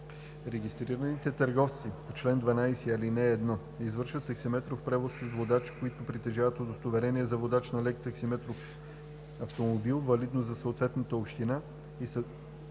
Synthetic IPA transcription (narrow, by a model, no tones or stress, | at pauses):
ɾɛɡist̪ɾiɾɐnit̪ɛt̪ɐɾɡɔft̪sipot͡ʃlɛnd̪vɐnajsɛɐlinɛːd̪nɔ | izvɤɾʃvət̪ːɐksimɛt̪ɾofpɾɛvossizvod̪at͡ʃkoit̪ʊpɾit̪ɛʒavət̪od̪ost̪ovɛɾɛniɛzɐvod̪at͡ʃnɐlɛkt̪ɐksimɛt̪ɾof | ɐft̪omobilˠvɐlid̪nozzɐsoːt̪vɛt̪nət̪əopʃt̪ina | is